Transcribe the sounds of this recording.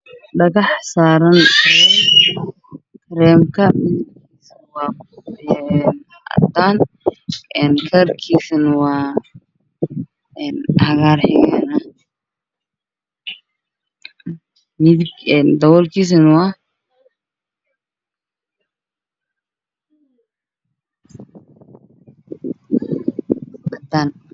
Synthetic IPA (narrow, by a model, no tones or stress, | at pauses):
ɖɐɣɑħsaːɾɐnɛ | kʰɾɛːmkʰɐmɪðɪɡɡiːs | wɑːkː | n | ɐ̰d̪aːn | ɛːnkʰɐrkʰiːsɐnwɑː | ɛnhɐɣaːrħɪɣɛ̰ːnɐ | mɪðɪɡɛnd̪ɐwɔlkʰis̬ɐnwa | ɐd̪aːn